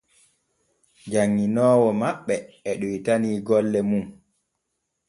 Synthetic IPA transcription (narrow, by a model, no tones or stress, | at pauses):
d͡ʒaŋːinɔːwɔmaɓːɛɛɗujitaniːɡɔlːɛmum